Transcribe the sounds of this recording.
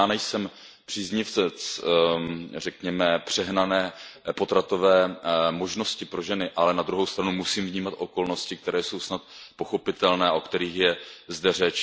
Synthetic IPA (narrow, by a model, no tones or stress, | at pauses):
aːnɛjsɛm | pr̥iːzɲɪft͡sɛt͡s | rɛkɲɛmɛpr̝̥ɛɦnanɛːpo̞t̪ɾat̪o̞vɛːmo̞ʒno̞scɪpɾo̞ʒɛnɪʔalɛnad̪ɾuɦo̞wst̪ɾanumusiːmvɲiːmat̪ʔo̞ko̞lno̞scɪk̚t̪ɛɾɛːjso̞wsnat̪̚po̞xo̞pɪt̪ɛlnɛːʔo̞kt̪ɛɾiːxjɛzdɛrɛt͡ʃ